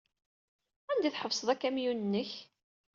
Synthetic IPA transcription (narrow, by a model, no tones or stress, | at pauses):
ænd̪iθħəvsˤəðˤækːæmjunənːəç